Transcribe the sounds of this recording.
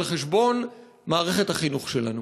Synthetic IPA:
leχeʃbo̞n | maːʁe̞χethaχinuχʃe̞lanu

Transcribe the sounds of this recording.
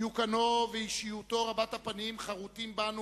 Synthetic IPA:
ukanoveiʃijut̪o̞ʁabat̪hapanimχaʁut̪imbanu

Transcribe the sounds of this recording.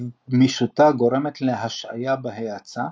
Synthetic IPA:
miʃut̪aɡo̞ʁɾe̞met̪leɦaʃa̰jabeɦeat͡sa

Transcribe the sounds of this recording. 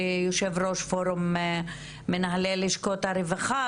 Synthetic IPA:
joʃevroʃfoɾum | menaɦaleliʃkot̪aɾevaχa

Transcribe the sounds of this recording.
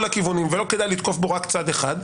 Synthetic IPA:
lakivunimvelo̞ked̪ajlit̪ko̞fboʁakt͡sad̪eχad̪

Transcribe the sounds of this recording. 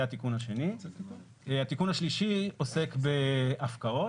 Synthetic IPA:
at̪ikunhaʃe̞ni | hat̪ikunhaʃliʃio̞se̞kbe̞ʔafkao

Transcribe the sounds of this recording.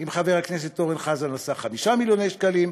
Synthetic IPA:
imχaveʁakne̞s̬et̪ːo̞ʁenχazalmasaχamiʃamiljo̞ne̞jʃkalim

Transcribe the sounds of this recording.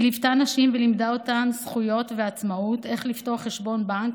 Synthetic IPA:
livtanaʃimvelimdaotamsχujo̞tveat͡smaute̞χlifto̞aχːeʃbo̞nbaŋk

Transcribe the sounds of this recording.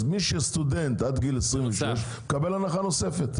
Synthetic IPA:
miʃest̪udent̪ʔad̪ɡilesʁimvveʃleʃ | kabelanaχanosefet̪

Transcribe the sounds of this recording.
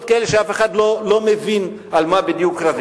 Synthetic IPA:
kaeleʃeafeχad̪lolo̞mevin | almabid̪jukɾav

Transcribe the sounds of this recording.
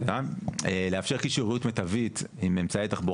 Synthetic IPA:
aeleafʃe̞ʁkiʃuʁijutmetavit̪imemt͡saet̪aχbo

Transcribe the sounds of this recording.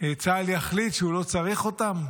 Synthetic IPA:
et͡saljaχlit̪ʃeulo̞t͡saʁeχo̞t̪am

